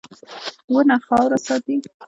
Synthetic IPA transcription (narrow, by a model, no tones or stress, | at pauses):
wənaxɑwɾasɑt̪i